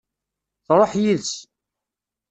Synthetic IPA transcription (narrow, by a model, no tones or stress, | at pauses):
θɾˤoħjiðs